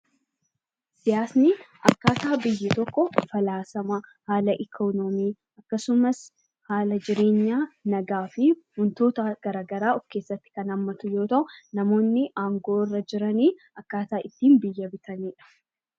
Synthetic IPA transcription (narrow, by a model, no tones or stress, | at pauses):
sɪjaːsnɪʔɐkːaːt̪aːbɪjːɪt̪ɔkːɔfɐlaːsɐmɐhaːlɐʔɪkʰoːnɔmiː | ɐkːɐsʊmɐs | haːlɐd͡ʒɪɾe̞ːɲːaːnɐɡaːfɪmʊnt̪o̞ːt̪ɐɡ̥ɐɾaːɡɐɾaːɔfke̞ːsːɐt̪ːɪ̥kɐnɐmːɐt̪ʊjo̞ːt̪ɐʔʊnɐmo̞ːnːɪʔaːŋɡo̞ːɪrːɐd͡ʒɪɾɐniː | ɐkːaːt̪aːʔɪt̪ːiːnbɪjːɐbɪt̪ɐniːᶑɐ̥